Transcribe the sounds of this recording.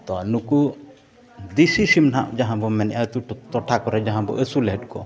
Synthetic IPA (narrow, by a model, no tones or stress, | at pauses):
t̪ɔnuku | d̪isisimnaʔd͡ʒaɦãbɔmɛnɛʔat̪ut̪ɔʈʰakɔɾɛd͡ʒaɦãbɔ̰ʔesulɛɦɛʈkɔ̰